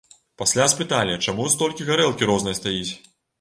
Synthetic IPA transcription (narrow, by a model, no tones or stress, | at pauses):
pasʲlʲaspɨt̪alʲjɐt͡ʂamust̪ɔlʲkʲiɣaɾɛlˠkʲiɾɔznɐjɐst̪ajit͡sʲ